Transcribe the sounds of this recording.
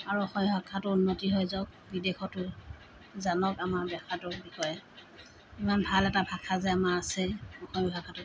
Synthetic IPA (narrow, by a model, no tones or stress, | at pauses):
aɹuɔxɔmibʱakʰːatʊunːotiɦɔjzɔk̚bidexɔtʊ | zanɔkamaɹbɛkatʊɹbixɔjɛ | imanbʱalɛtabʱakʰazɛamaasɛɔxɔmibʱakʰːatʊ